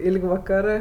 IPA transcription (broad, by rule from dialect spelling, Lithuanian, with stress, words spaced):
ˈɪlʲkʲ ʋɐˈkɑːrɜ